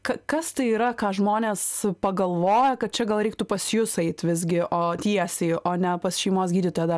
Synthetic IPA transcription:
kɐkɐst̪ɐɪiːɾɐkɑːʒmoːnʲeːspɐɡɐlˠʋoːjɛkɐt̪̚t͡ʃʲɛɡɐlˠɾʲɛɪk̚t̪ʊpɐsʲjʊsɛɪt̪ʲʋʲɪzʲɡʲɪʔoːt̪ʲiɛsʲɛɪoːnʲɛpɐsʃʲɛɪmoːsɡʲiːdʲit̪oːjd̪ɐ

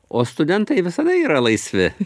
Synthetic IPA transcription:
oːst̪ʊd̪ʲɛnt̪ɐɪʋʲɪsɐd̪ɐiːɾɐlˠɐɪsʲʋʲɪ

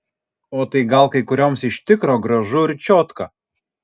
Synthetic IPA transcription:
oːt̪ɐɪɡɐlˠkɐɪkʊɾʲoːmsɪʃʲt̪ʲɪkɾoːɡɾɐʒʊɾʲt͡ʃʲoːt̪kɐ

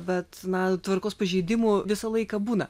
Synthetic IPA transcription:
bʲɛt̪nɐt̪ʋɐɾrkoːspɐʒʲɛɪd̪ʲɪmʊʋʲɪsɐlˠɐɪkɐbuːnɐ

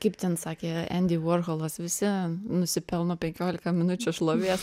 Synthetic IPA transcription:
kɐɪpt̪ʲɛnsɑːkʲeːæ̰nʲd̪ʲɪoːrɣolˠɐsʋʲɪsʲɪnʊsʲɪpʲɛlˠnoːpʲɛŋʲkʲoːlʲɪkɐmʲɪnʊt͡ʃʲʊʃlˠoːʋʲiɛs

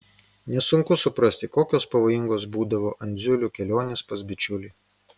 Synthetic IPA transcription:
nʲɛsʊŋkʊsʊpɾɐsʲt̪ʲɪkoːkʲoːspɐʋoːjɪŋɡoːs̬buːd̪ɐʋoːʔɐnʲd̪zʲʊlʲukʲɛlʲoːnʲeːspɐsbʲɪt͡ʃʲʊlʲiː

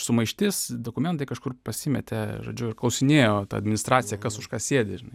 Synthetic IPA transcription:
sʊmɐɪʃʲt̪ʲɪsd̪oːkʊmʲɛnt̪̬ɐɪkɐʃkʊrpɐsʲɪmʲɛt̪ʲeʒo̰ːd͡ʒʲʊɪrklˠɐʊsʲɪnʲeːjoːt̪ɐ̰ɐd̪ʲmʲɪnʲɪst̪ɾɑːt̪t͡sʲɪjɛkɐsʊʃkɑːsʲeːd̪ʲɪʒʲɪnɐɪ

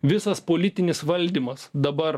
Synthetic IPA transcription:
ʋʲɪsɐspoːlʲɪt̪ʲɪnʲɪsʋɐlʲd̪ʲiːmɐsd̪ɐbɐɾ

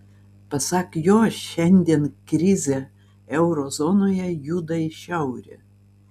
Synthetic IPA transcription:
pɐsɑːkjoːʃʲɛnʲd̪ʲiɛnkɾʲɪzʲe | ɛʊɾoːzɔnoːjɛjuːd̪ɐʃʲɛʊɾʲḛ

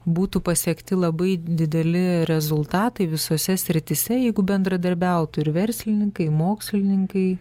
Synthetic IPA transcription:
buːt̪upɐsʲiɛkt̪ʲɪlˠɐbɐɪd̪ʲɪd̪ʲɛlʲɪɾʲɛzʊlˠt̪ɑːt̪ɐɪʋʲɪsoːsʲɛsʲɾʲɪt̪ʲɪsʲɛjɛɪɡʊbʲɛnd̪ɾɐd̪ɐɾʲbʲɛʊt̪ʊɪɾʋʲɛɾʲsʲlʲɪnʲɪŋkɐɪmoːksʲlʲɪnʲɪŋkɐɪ

